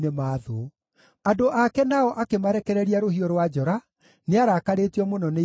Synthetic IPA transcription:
nemaðo | adoʔakɛnaɔʔakemaɾɛkɛɾɛɾiaɾohiɔɾwad͡ʒɔɾa | neaɾakaɾetiɔmonɔne

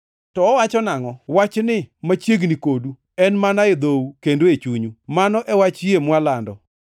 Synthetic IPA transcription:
tɔːwat͡ʃɔnaŋɔwat͡ʃnɪmat͡ʃjeɡnikodu | ɛnmanaed̪oukendoet͡ʃuɲumanɔʔɛwat͡ʃjemwalandɔ

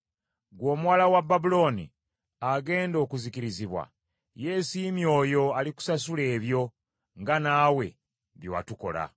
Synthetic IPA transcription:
ɡwo̞ːmuwalawabːabulo̞nḭ | aɡe̞ːndo̞ːkuzikiɾiziβwa̰ | je̞ːsimjo̞ːjo̞aliku̥sasule̞ːβjo̞ | ŋɡanaːwe̞ | βjowa̰tuko̞la̰

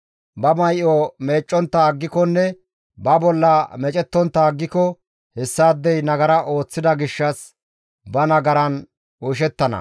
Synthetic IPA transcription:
bɐmɐjʔɔme̞ːt͡ʃʼːɔnt̪ːaɡːɪkɔnːɛ | bɐbɔlːɐmɛt͡ʃʼɛt̪ːɔnt̪ːaːɡːɪkɔ | hɛsːaːd̪ːɛjnɐɡɐɾɐʔo̞ːt͡sːɪd̪ɐɡɪʃːɐs | bɐnɐɡɐɾɐn | ʊʃ̬ɛt̪ːɐnɐ̰

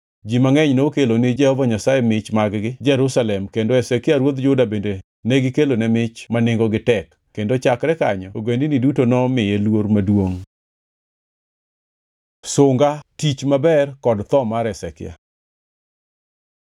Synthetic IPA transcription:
d͡ʒimaŋɛɲnokelonɪd͡ʒɛhɔvaɲasajɛmɪt͡ʃmaɡɡɪd͡ʒɛɾusalɛmkendoɛsɛkɪaɾwod̪d͡ʒʊdabende | nɛɡɪkelonɛmɪt͡ʃmanɪŋɡɔɡɪtɛkːendot͡ʃakɾɛkaɲɔoɡwendɪnɪdutonɔmɪjelwoɾmadwoŋ | sʊŋɡatit͡ʃmabɛrkɔdt̪ɔmaɾɛsɛkɪ̰ja̰

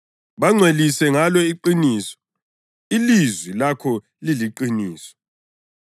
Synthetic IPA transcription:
βaŋ͡ǀʱwelisɛŋalɔiǃiniːsɔ̥ | ilizwilakʰɔ | liliǃiniːsɔ̥

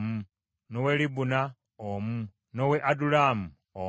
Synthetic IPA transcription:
mu | nowelibuna | omu | noweʔadulaːmu | o

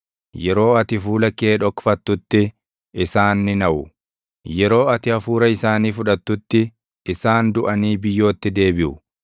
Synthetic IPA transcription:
jɛɾo̞ːɐt̪ɪfuːlɐkːeːᶑɔkːfɐt̪ːʊt̪ːɪ | ɪsaːnːɪnɐʔʊ | jɛɾo̞ːɐt̪ɪɐfuːɾɐɪsaːniːfʊᶑɐt̪ːʊt̪ːɪ | ɪsaːnd̪ʊʔɐniːbɪjːo̞ːt̪ːɪd̪e̞ːbɪʔʊ

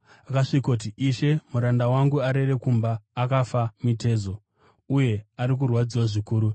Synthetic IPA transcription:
akaʂikot̬iʔiʃe̞muɾandawaŋɡuaɾe̞re̞kumbaːkafamite̞ːzo̞ | uje̞aɾik̬urwad͡ziwaʐikuːɾu

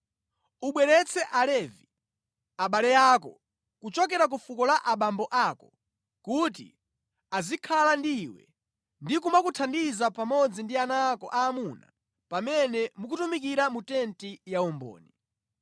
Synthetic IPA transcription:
uɓwɛɾɛt͡sʰɛʔalɛvi | aɓalɛjakɔ | kut͡ʃɔkɛɾak̬ufukɔlaʔaɓambɔʔakɔ | kutḭ | azikʰalandiwɛ̰ | ndikumakutʰandizapamɔd͡zindianakɔ̰ʔaːmuna̰ | pamɛnɛmuk̬utumik̬iɾamutɛntijaumbɔ̰ːni

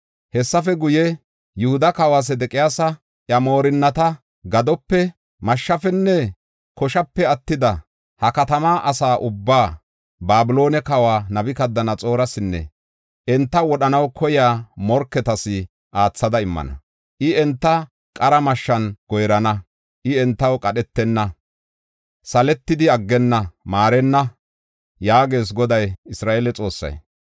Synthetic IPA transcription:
hɛsːɐfɛɡʊjɛ | jʊhʊd̪ɐkɐwaːs̬ɛd̪ɛkʼɪjaːsɐ | ʔjɐmo̞ːɾɪnːɐt̪ɐ | ɡɐd̪ɔpːɛ | mɐʃːɐfɛnːɛ | kɔʃɐpːɛɐt̪ːɪd̪ɐ | hɐkɐt̪ɐmaːʔɐsaːʔʊbːaː | baːbɪlo̞ːnɛkɐwaːnɐbɪkɐd̪ːɐnɐt͡sʼo̞ːɾɐsɪnːɛ̰ | ʔɛnt̪ːɐwɔɗɐnɐwkʰɔjaːmɔɾkːɛt̪ɐsɪ | ʔaːt͡sːɐd̪ɐɪmːɐ̰nɐ̰ | ʔɪɛnt̪ːɐ | kʼɐɾɐmɐʃːɐnɡ̥ɔjɾɐnɐ | ʔɪɛnt̪ːɐwkʼɐɗɛt̪ːɛnːɐ | sɐlɛt̪ːɪd̪ɪɐɡːɛnːɐmaːɾɛnːɐ | jaːɡe̞ːs̬ɡɔd̪ɐjɪsɾaːʔeːlɛt͡sʼo̞ːsːɐ̰j

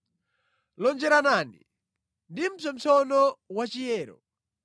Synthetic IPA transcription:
lɔnd͡ʒɛɾanaːnḭ | ndim̩sɔm̩t͡sɔnɔwat͡ʃijɛːɾɔ̰

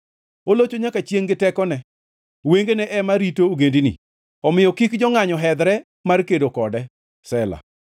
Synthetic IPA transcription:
olot͡ʃoɲakat͡ʃjeŋɡɪtɛkɔnɛ | weŋɡenɛʔɛmaɾitoːɡendinḭ | ɔmɪjɔkɪkd͡ʒɔŋaɲɔɦɛd̪ɾɛ | markedokɔdɛ | sɛla̰

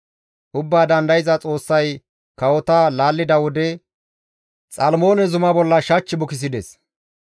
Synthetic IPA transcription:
ʔʊbːaːd̪ɐnd̪ɐjɪzɐt͡sʼo̞ːsːɐj | kɐwɔt̪alaːlːɪd̪ɐwɔd̪ɛ | t͡sʼɐlmo̞ːnɛzʊmɐbɔlːɐʃɐt͡ʃːɪbʊkɪs̬ɪd̪ɛs

